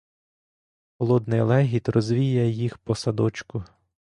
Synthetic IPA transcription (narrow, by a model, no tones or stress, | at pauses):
xɔlˠɔd̪nɪjlˠɛɦʲit̪rɔzʲʋʲijɛjixpɔsɐd̪ɔt͡ʃkʊ